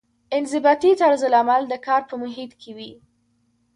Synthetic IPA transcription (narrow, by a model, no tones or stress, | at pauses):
ɪnzɪbɑt̪it̪aɽzɪlamald̪əkɑɾpəmʊɦit̪kʰewi